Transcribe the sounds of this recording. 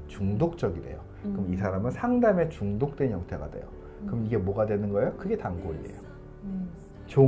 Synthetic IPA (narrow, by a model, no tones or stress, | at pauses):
t͡ɕuŋdok̚t͡ɕ͈ʌɡide̞̰jo | kɯmisʰaɾamɯnsʰaŋdame̞t͡ɕuŋdok̚t͈we̞njʌŋtʰe̞ɡa̰dwe̞̰jo̰ | kɯmiɡe̞mwʌɡadwe̞nɯnɡʌejokɯɡe̞taŋɡoɾḭdḛjo | t͡ɕo